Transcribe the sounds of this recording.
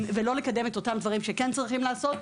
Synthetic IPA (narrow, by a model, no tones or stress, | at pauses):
velo̞lekad̪e̞met̪o̞t̪amd̪vaʁimʃekent͡sʁiχimlaːso̞t̪